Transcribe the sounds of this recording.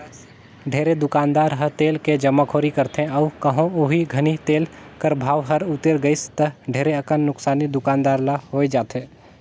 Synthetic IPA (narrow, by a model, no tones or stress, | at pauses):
ɖʱeːɾed̪ʊkaːnd̪aːɾɦəɾt̪eːlked͡ʒəmːakʰoːɾikəɾt̪ẽɔʋkəɦõoɦiɡʱɐnit̪eːlkəɾbʱaːʋɦɐɾʊt̪ːeɾɡəɪst̪əɖʱeːɾeəkənːʊksaːnid̪ʊkaːnd̪aːɾlahoːed͡ʒaːt̪ẽː